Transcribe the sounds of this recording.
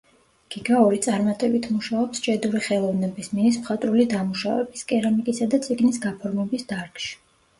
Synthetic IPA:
ɡ̥iɡaɔɾit̪sʼaɾmat̪ʼɛbit̪ʰmuʃaɔpst͡ʃʼɛd̪uɾiχɛlˠɔvnɛbisminis̬mχat̪ʼɾulid̪amuʃavɛbiskʼɛɾamikʼisad̪at̪sʼiɡnisɡapʰɔɾmɛbisd̪̥aɾkʼʃi̥

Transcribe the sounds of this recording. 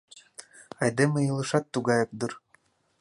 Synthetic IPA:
ɑjd̪emĕjɤlˠɤ̆ʃɑt̪ːuɣɑjɤk̚d̪ɯr

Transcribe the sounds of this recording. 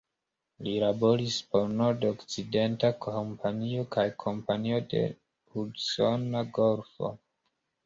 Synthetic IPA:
lilabo̞ɾispo̞ɾnoɾdokt͡side̞ntakʰmpʰanio̞kʰajkʰo̞mpanio̞de̞̰ | hudso̞naɡo̞ɾfo̞̰

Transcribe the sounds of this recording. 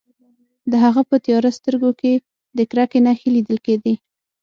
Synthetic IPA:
d̪əɦaɣapət̪jɑɾast̪əɾɡoke | d̪əkɾakenɑxelid̪əlked̪e

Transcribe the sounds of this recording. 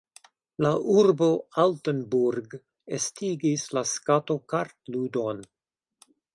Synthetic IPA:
laʔuɾbo̞altənbuɾɡ | estiɡislaskato̞kaɾtludo̞n

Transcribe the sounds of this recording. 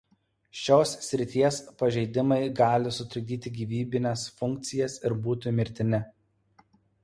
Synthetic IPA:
ʃʲoːssʲɾʲɪt̪ʲiɛspɐʒʲɛɪd̪ʲɪmɐɪɡɑːlʲɪsʊt̪ʲɾʊd̪ʲiːt̪ʲɪɡʲiːʋʲiːbʲɪnʲɛsfʊŋʲk̚t̪sʲɪjɛsɪɾbuːt̪ʲʊmʲɪɾʲt̪ʲɪnʲɪ

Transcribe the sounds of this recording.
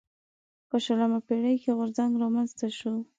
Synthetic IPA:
pəʃalamapeɽəjkeɣʊɾzaŋɡɾɑmanzt̪aʃu

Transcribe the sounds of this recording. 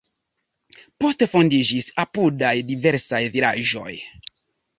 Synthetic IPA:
po̞stefo̞ndid͡ʒisapudajdiveɾsajviɾaʒo̞̰j

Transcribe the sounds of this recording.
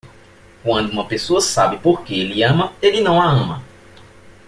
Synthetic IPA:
kwɐ̃nd̪ʊũmɐpesoɐsabɪpoɾkeelɪɐ̃mɐelɪnɐ̃w̃aɐ̃mɐ

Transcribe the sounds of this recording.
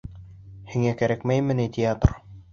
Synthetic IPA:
hiŋækæɾækmæjmɘ̆nit̪ʲʰɪat̪r

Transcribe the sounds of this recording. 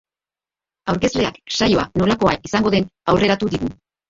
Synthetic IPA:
awɾke̞sle̞a̰ksajo̞a̰no̞lako̞aisaŋɡo̞ðe̞nawre̞ɾat̪uðiɣu

